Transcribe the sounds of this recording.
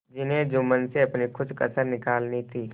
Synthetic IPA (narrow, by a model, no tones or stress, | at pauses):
d͡ʒɪnɦẽd͡ʒʊmənseɐpnikʰʊt͡ʃkə̰səɾnɪkaːlnit̪ʰiː